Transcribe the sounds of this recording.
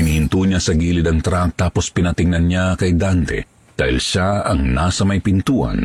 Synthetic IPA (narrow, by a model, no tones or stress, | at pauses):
ɪnihɪnt̪uɲasɐɡiːlɪd̪ɐŋt̪ɾak̚t̪aːpospɪnɐt̪ɪŋnɐnɲakɐjd̪ant̪ɛ̰ | d̪̥aːhɪlʃaɐŋnasɐmɐjpɪnt̪uːʔɐ̰n